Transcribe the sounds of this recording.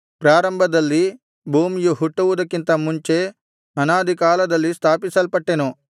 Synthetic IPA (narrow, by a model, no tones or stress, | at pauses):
pɾaːɾɐmbʱɐd̪ɐlːi | bʱuːmijuɦuʈːuʋud̪ɐkːint̪ɐmuɲt͡ʃe̞ | ɐnaːd̪ʱikaːlɐd̪ɐlːist̪ʰaːpisɐlpɐʈːenu